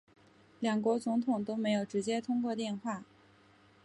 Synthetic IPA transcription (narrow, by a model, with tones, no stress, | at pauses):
ljɑ˨˩ŋkwɔ˧˥t͡sʊ˧˥ŋt̪ʰʊ˨˩ŋt̪o˥ʊme˧˥ɪjo˨˩ʊʈ͡ʂɻ̩˧˥t͡ɕjɛ˥t̪ʰʊ˥ŋkwɔ˥˧t̪jɛ˥˧nxwa˥˩